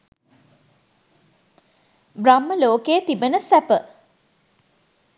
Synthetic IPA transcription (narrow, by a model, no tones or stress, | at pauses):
bramːəloːkeət̪ibənəsæpə